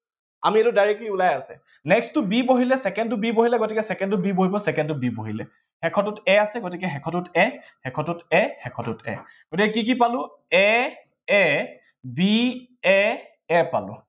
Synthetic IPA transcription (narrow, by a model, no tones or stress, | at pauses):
a̰mietʊdajɹɛkliulajasɛ̰ | nɛkstʊbiboɦilɛsɛkɛntʊbiboɦilɛɡotikɛsɛkɛntʊbiboɦibɔsɛkɛntʊbiboɦilɛ̰ | hɛkʰɔtutɛasɛɡotikɛxɛkʰɔtʊtɛ | hɛkʰɔtutɛxɛkʰɔtʊtɛ̰ | ɡotikɛkik̬ipalʊ̃ | ɛ | ɛ | biɛ | ɛpa̰lʊ̰̃